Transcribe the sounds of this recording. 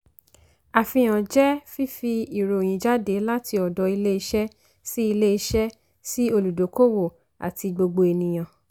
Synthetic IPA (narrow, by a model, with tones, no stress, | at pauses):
a˨fĩ˧j̃ã˨d͡ʒɛ˦fi˦fi˧i˨ɾo˨j̃ĩ˨˦d͡ʒa˦de˨˦la˦tʰi˧ɔ˨dɔ˨˧i˧le˦i˧ʃɛ˦ | si˦i˧le˦i˧ʃɛ˦ | si˦o˧lu˨do˨˦ko˦wo˦˨ | a̰˨ti˧ɡ͡bo˧ɡ͡bo˧e˧nĩ˨j̃ã˨